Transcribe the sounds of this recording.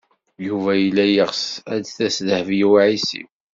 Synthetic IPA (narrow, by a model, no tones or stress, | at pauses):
juvæjəlːæjəʁsæd̪θæsðhəvjiwʕisḭw